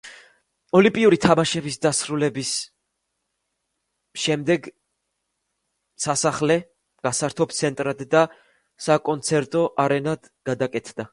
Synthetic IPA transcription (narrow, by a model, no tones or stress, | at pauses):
ɔlĩmpʼiuɾit̪ʰamaʃɛbisd̪asɾulɛbis | ʃɛmd̪ɛɡ | sasaχlɛ | ɡ̥asaɾt̪ʰɔp̚ʰt̪sʰɛnt̪ʼɾad̪ːa | sakʼɔnt̪sʰɛɾt̪ʼɔʔaɾɛnad̪̥ | ɡ̥ad̪akʼɛt̪ʰd̪a